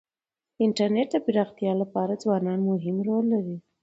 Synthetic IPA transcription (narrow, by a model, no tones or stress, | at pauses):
ɪɳʈaɾneʈ̚d̪əbɪɾɑxt̪ijɑlapɑɾad͡zwɑnɑnmʊɦɪmɾolːaɾi